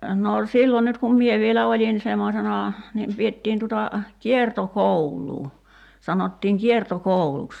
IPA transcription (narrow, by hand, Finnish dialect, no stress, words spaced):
no silːo nyt kum mie ʋielæ olʲin semːosenɑ niːm pietːiːn tutɑ kiertokoulˑuː sɑnotːiːŋ kiertokouluks